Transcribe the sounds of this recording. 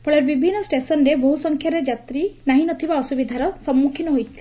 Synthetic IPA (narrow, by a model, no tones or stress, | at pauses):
pʰɔɭeɾbibʱinːɔsʈesɔnɾebɔɦusɔŋkʰjaɾed͡ʒat̪ɾinaɦinɔt̪ʰibaɔsubid̪ʱaɾɔsɔmːukʰinɔɦojt̪ʰi̥li